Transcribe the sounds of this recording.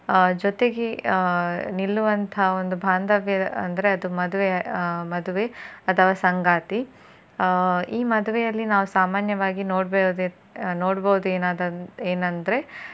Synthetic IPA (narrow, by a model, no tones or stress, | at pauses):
d͡ʒot̪e̞ɡe | nilːuʋɐnt̪ʰɐɦond̪ubʱaːnd̪ɐʋjɐɐ̰nd̪ɐɾe̞ɐd̪umɐd̪uʋemɐd̪uʋeɐt̪ʰɐʋaːsɐŋɡaːt̪i | iːmɐd̪uʋɛjɐlːinaːʋusaːmaːnjɐʋaːɡinoːɽbed̪ | noːɽbɐwud̪ueːnaːd̪ɐeːnɐnd̪ɐɾe̞